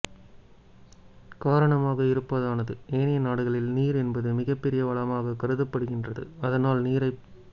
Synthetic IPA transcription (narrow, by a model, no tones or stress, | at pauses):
kaːɾɐɳɐmaːɣɐɪɾɯpːɐðaːnɐðɯʔeːnɪjɐnaːɽɯɣɐɭɪlniːɾɛnbɐðɯmɪɣɐpːɛɾɪjɐʋɐɭɐmaːɣɐkɐɾɯðɐpːɐɽɯɣɪndrɐðɯ̰ɐðɐnaːlniːɾɐɪ